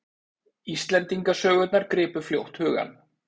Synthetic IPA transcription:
ist̪lɛnt̪iŋkasœːɣʏt̪naɾkɾɪːpʏɾ̥fljowht̪hʏːɣa̰n

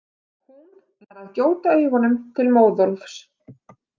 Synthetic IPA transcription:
hun | aɾaðcoːwt̪aejɣanʏmt̪ʰɪlmoːwðɔlfs

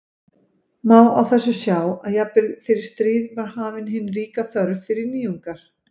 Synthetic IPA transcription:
maːwawθɛsːʏsjaːwaðjapɪlfɪɾɪɾ̥st̪ɾiːðvaɾ̥haːvɪnɦɪnriːkaθœɾfɪɾɪɾniːuŋkaɾ̥

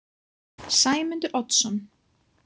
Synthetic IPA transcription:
sajmənd̪əʔɔtsɔn

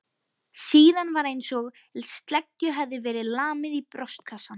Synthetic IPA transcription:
siːðanvaɾejnsɔɣ | lst̪lɛcːʏɦɛvðɪvɛːɾɪðlaːmɪðipɾœst̪̚kʰasːan

